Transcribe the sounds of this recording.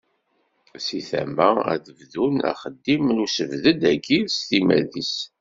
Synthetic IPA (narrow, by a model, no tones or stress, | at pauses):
siθæ̰mːææ̰ðəvðunæ̰χəd̪ːimlusəvðəd̪æɡiɾst̪imæ̰ðis